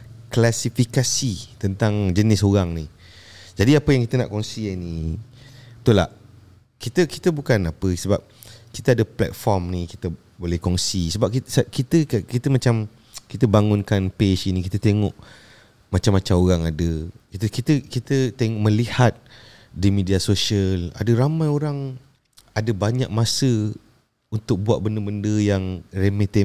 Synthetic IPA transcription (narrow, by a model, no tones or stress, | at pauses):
klasifikasit̪ənt̪aŋd͡ʒənɪsoɾaŋni | d͡ʒadiapəjaŋkit̪əna̰ʔkɔŋsiani | t̪ula̰ | kit̪əki̥t̪əbukanapəsəbap̚ | kit̪əadəplɛ̰t̪̚fɔrmniki̥t̪ə | bolɛhkɔŋsisəbap̚kitskit̪əkit̪əmat͡ʃam | kit̪əbaŋʊnkanpeʃinikit̪ət̪eŋɔʔ | mat͡ʃamːat͡ʃaoɾaŋadəkit̪əkit̪əkit̪ət̪eŋɔʔmə̃lihat̪̚ | dimidiasoʃiəla̰dəɾamãjoɾaŋ | adəbaɲa̰k̚masə | unt̪ʊk̚buat̪̚bəndəbəndəjaŋremet̪ɛ